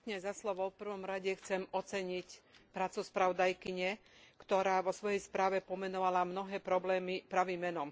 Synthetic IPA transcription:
k̪ɲɛzaslɔʋɔʊfpr̩ʋɔmɾaɟɛxt͡sɛmɔt͡sɛɲicpɾaːt͡suspɾaʋɔd̪ajkiɲɛ | kt̪ɔɾaːʋɔsʋɔjɛjspɾaːʋɛpɔmɛnɔʋalamnɔɦɛːpɾɔblɛːmipɾaʋimːɛnɔm

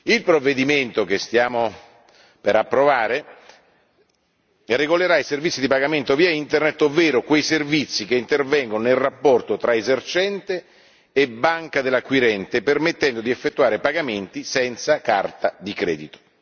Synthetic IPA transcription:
ilpɾovːed̪iment̪okest̪jaːmo | peɾapːɾovaːɾe | reɡoleɾaiservit̪sːid̪ipaɡament̪oviːaint̪ernet̪ːovːɛːɾokwejservit̪sːikeint̪ervɛŋɡononelrːapːɔrt̪ot̪ɾaezert͡ʃɛnt̪eː | bːaŋkad̪elːakwiɾɛnt̪epermet̪ːɛnd̪od̪iefːet̪ːuaːɾepaɡament̪isɛnt̪sakart̪ad̪ikɾɛ̰ːd̪it̪o̥

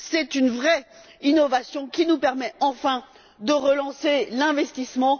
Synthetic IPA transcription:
sɛt̪ynvʁɛ | inɔvasjɔ̃kʲinupɛʁmɛɑ̃fɛ̃ | d̪əʁəlɑ̃selɛ̃vɛst̪ismɑ̃

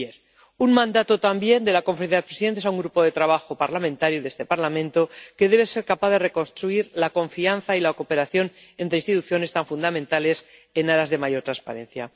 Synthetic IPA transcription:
eɾ | uŋmãnd̪at̪o̞t̪ambje̞nd̪e̞lakoɱfɾenθjaðepɾesiðe̞nt̪esauŋɡɾupo̞ðe̞t̪ɾaβaxo̞paɾlamẽnt̪aɾjuðe̞st̪e̞paɾlamẽnt̪o̞ke̞ðe̞β̞e̞se̞ɾkapaðe̞re̞ko̞nst̪ɾuiɾlako̞ɱfianθailakope̞ɾaθjo̞ne̞nt̪ɾeĩnst̪it̪uθjo̞ne̞st̪aɱfund̪amẽnt̪ale̞senaɾazðe̞maʝo̞ɾt̪ɾanspa̰ɾẽ̞nθja̰

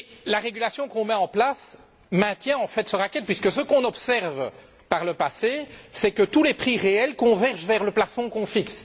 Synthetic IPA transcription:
laʁeɡʲylasjɔ̃kɔ̃mɛɑ̃plas | mɛ̃t̪jɛ̃ɑ̃fɛt̪səʁakɛt̪̚pɥiskəsəkɔ̃nɔpsɛʁv | paʁləpasesɛkət̪ulɛpχiʁeɛlkɔ̃vɛʁʒvɛʁləplafɔ̃kɔ̃fiks

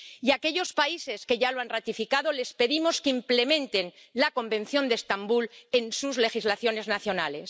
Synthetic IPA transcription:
iake̞ʎo̞spaise̞ske̞ʝaloanrat̪ifikaðo̞le̞spe̞ðimo̞skimple̞mẽnt̪e̞nlako̞mbẽ̞nθjo̞nd̪est̪ambule̞nsuzle̞xizlaθjo̞ne̞znaθjo̞nale̞s

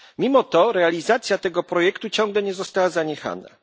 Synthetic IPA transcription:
mʲimɔt̪ɔɾɛalʲizat̪sʲjat̪ɛɡɔpɾɔjɛkt̪ut͡ɕɔ̃ŋɡlɛɲɛzɔst̪awazaɲɛxa̰na̰

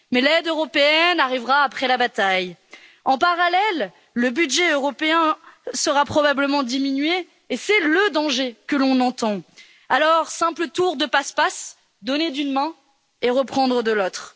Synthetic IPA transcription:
mɛlɛd̪øʁɔpeɛnaʁivʁaːpχɛlabat̪aj | ɑ̃paʁalɛlː | əbyd̪ʒɛøʁɔpeɛ̃səʁapχɔbabləmɑ̃d̪iminɥeː | sɛləd̪ɑ̃ʒekəlɔ̃nɑ̃t̪ɑ̃ | alɔʁsɛ̃plət̪uʁd̪əpaspas | d̪ɔned̪ynmɛ̃ | eʁəpχɑ̃d̪ʁəd̪əlot̪χ

